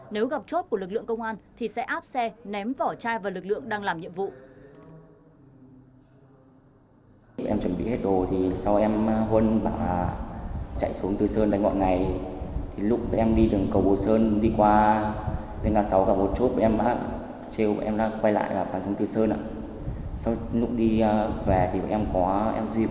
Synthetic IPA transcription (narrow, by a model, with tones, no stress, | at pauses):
ne˨˦wɣa˨˩p̚t͡ɕo˦˥t̚ku˧˩əlɨ˨˩k̬̚lɨ̰˧˨əŋkə˧wŋ͡mʔaː˧nt̪ʰi˨˩sɛ̰˧˥ʔaː˦˥p̚sɛ˧nɛ˨˦mvɔ˧˩t͡ɕaː˧jvaː˨˩lɨ˨˩k̚lɨ̰˧˨əŋɗaː˧ŋlaː˨˩mɲḭ˧˨əmvṵ˧˨˧ | ʔɛ˧mt͡ɕwə˨˧˩nɓḭ˧˨he˦˥t̚ɗo˨˩t̪ʰi˨˩sa˧wʔɛ˧m˧ɦwə˧nɓa̰ː˧˨˩t͡ɕa̰˧˨jsu˨˦əŋt̪ɨ˨˩səː˧nt̪aː˧˩jŋɔ̰˧˨na˨˩jt̪ʰi˨˩lʊ˦˥k͡p̚ɓə̰˧˨ʔɛ˧mɗi˧ɗɨ˨˩əŋkə˨˩wɓo˨˩səː˧nɗi˧kwaː˧ | ne˧nŋaː˨˩sa˨˦wkaː˧˩mo˨˩t̚t͡ɕo˦˥t̚ɓə̰˧˨ʔɛ˧mɗa̰ː˧˥ | t͡ɕe˧wɓə̰˧˨ʔɛ˧mɗa̰ː˧˥kwa˧jla̰ː˧˨jvaː˨˩ɓaː˨˩ŋsŋ͡mt̪ɨ˨˩səː˧nʔa̰ː˧˥ | sa˧wlʊ˦˥k͡p̚ɗi˧vɛ˨˩t̪ʰi˨˩ɓə̰˧˨ʔɛ˧mkɔ˨˦ʔɛ̰˧mzi˧